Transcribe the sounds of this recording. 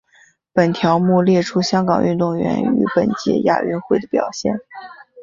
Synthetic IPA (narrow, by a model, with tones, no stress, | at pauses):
pə˨˩nt̪ʰjɑ˧˥ʊmu˥˧ljɛ˥˩ʈ͡ʂʰu˥ɕjɑ˥ŋkɑ˨˩ŋʔy̰˥˧nt̪ʊ˥˩ŋɥɛ̰˧˥ny̰˧˥pə˨˩nt͡ɕjɛ̰˧˥ja̰˥˩y̰˥˧nxwe˥˩ɪd̪ə˩pjɑ˨˩ʊɕjɛ̰˥˩n